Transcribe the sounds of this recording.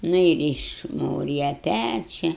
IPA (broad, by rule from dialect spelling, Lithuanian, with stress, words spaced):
ˈnʊ ɪr ɪʃˈmuːrʲɪjɛ ˈpʲæt͡ʃʲɛ